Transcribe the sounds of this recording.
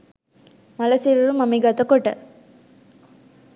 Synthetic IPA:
mɐlɐsiɾuɾumɐmiɡɐt̪ɐkɔʈːɐ̰

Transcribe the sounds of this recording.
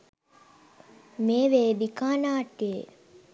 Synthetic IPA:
meːʋeːd̪ikaːnaːʈɡeː

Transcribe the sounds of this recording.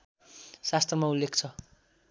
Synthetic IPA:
sast̪ʰrʌmaulːekʰt͡sʰʌ

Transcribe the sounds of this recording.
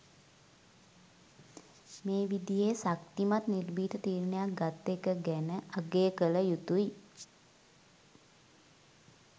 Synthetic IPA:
meːʋid̪ijeːsakʈ̪imat̪nirbiːt̪ət̪iːɾnejak̚ɡat̪ːekəɡænəaɡeːəkələjut̪ui

